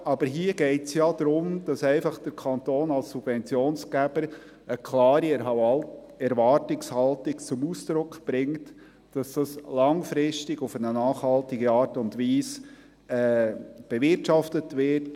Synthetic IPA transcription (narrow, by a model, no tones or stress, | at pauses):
ɑbəɾɦiəɡɛɪtsjɑd̥ɾʊmd̥ɑsɛɪfɑχd̥əɾkʰɑntoːnɑlsːub̥vɛnt͡sjoːnsɡ̥æb̥əɾ | əkʰlɑːɾi | ɛɾvɑːrtɪkshɑltɪkt͡sʊmuːsd̪̥ɾʊkʰb̥ɾɪŋt | d̥ɑsd̥ɑslɑŋfɾɪstɪɡʊfənənɑːχhɑltɪɡəɑːɾtʊndʋiːs | ɛːb̥ɛvɪɾtʃɑftətʋɪt